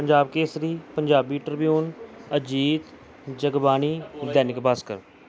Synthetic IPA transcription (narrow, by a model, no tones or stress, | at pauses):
pəɲd͡ʒaːbkeːsɾiːpəɲd͡ʒaːbiːʈəɾbjuːnəd͡ʒiːt̪ | d͡ʒəɡbaːniːd̪ɛːnɪkbaːskə̰ɾ